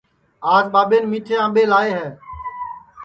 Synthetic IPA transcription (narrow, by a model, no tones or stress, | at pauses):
aːzɓaːɓeːnmiːʈʰeːãːɓeːlaːeːɦɛː